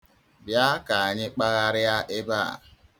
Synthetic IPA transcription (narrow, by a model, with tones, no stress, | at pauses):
bja˦ka˨a˨ɲɪ˦k͡pa˦ɣa˦ɾɪ˦a˦ʔɪ˦ba˦˨